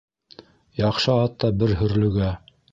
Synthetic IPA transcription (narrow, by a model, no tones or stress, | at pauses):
jɑqʃɤɑt̪ːɑbɘɾɦɵ̆ɾlɵ̆ɡæ